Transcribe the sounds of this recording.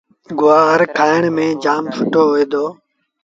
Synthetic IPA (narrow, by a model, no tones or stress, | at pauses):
ɡʊʋaːɦəɾkʰaːəɳmẽːd͡ʒaːmfʰʊʈoːɦoeːd̪oː